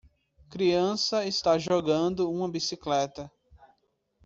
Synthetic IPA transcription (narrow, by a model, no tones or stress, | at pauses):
kɾiɐ̃sɐest̪aʒoɡɐ̃d̪ʊũmɐbisiklɛt̪ɐ